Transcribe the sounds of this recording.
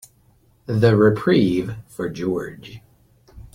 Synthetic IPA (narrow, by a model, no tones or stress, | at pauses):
ðɨɹɪpʰɹ̥iv̥fə˞d͡ʒɔɹd͡ʒ̥